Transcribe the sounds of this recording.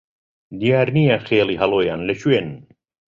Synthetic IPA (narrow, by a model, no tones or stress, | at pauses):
d̪ijaːɾnijaxeːliːɦɐlˠoːjaːnlɐʃuweːnn